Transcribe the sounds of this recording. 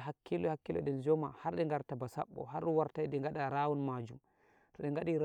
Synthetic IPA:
ɦakːilɔhakːilɔ̰ɗɛnd͡ʒɔma̰haɾɗɛŋɡaɾtabasa̰ɓːɔ̰ɦaɾɗuwaɾtajdɛŋɡaɗaɾaːwɔnmaːd͡ʒum | tɔɗɛŋɡaɗiɾ

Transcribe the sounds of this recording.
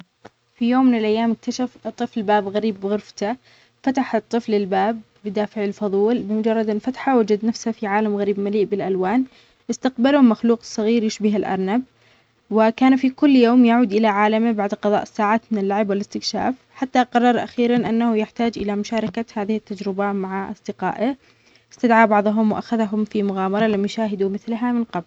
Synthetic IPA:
fijoːmːɪnɪlʔajːaːmɪk̚t̪aʃaft̪ˤːɨflbaːbɣaɾiːbːɪɣʊɾft̪a | fat̪aħɨt̪ˤːɨflɪlbaːb̚ːɪd̪aːfɪʕɪlfɑðˤuːlbɪmʊd͡ʒɑrˤːɑd̪ɪlfat̪ħawad͡ʒad̪nafshafiʕaːlamɣaɾiːbmaliːʔbɪlʔalwaːn | ʔɪst̪aqbalʊmaxluːqsˤːɑɣiːɾjɪʃbɪɦalʔɑ̰ɾˤnab̚ | wɪkaːnfikʊlːjoːmjaʕuːd̪ʔɪlaʕaːlambaʕd̪qɑðˤɑ̰ːʔɪsːaːʕaːt̪mɪnɪlːaʕɪbwɪlɪst̪ɪkʃa̰ːf | ħat̪ːaqɑrˤːɑɾˤʔa̰xiːɾanʔanːahʊjɪħt̪aːd͡ʒʔɪ̰lamʊʃaːɾˤɑkahaːðɪhɪt̪ːad͡ʒɾɪbamaʕaʔɑ̰sˤd̪ɪqɑ̰ːʔa | ɪst̪ad̪ʕaːbɑʕðˤɦʊmwɪʔaxaðɦʊmfimʊɣaːmɑɾˤɑlamːjʃaːɦɪd̪umɪθlɦamɪnqɑbl

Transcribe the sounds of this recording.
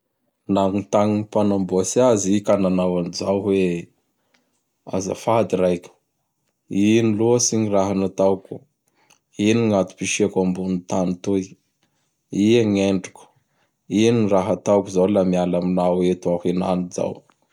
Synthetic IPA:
naŋt̪aŋiipanamboasiazikananawanizawɦwe | a̰za̰fad̪iɾajkʲə̥ | iniluəsiɲiraɦanat̪awku̥ | iniŋat̪u̥piʃiakambunit̪anit̪ui | iaŋeɳɖ͡ʐuku̥ | iniraɦat̪awkuzawlamialaminawet̪ahina̰niza̰w

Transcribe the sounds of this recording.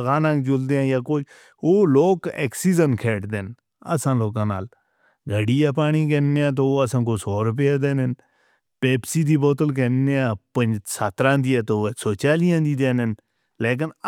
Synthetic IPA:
ɣaːnãːɡd͡ʒʊld̪eːãːjaːkoː | oːloːkḛːksiːzənkʰeːʈd̪eːn | ə̰sãːloːkãːna̰ːl | ɡʱəɽiːjaːpaːɽ̃iːk̬eːnːeːãːt̪̬oːəsãːkoːsoːɾʊp̬ejaːd̪eːnɪn | peːpsiːd̪iːbɔːt̪əlk̬eːnːeːãːpəɲd͡ʒsat̪ɾãːd̪iːaːt̪oːsoːt͡ʃaːlijãːd̪iːd̪eːnɪn | leːk̬ɪn

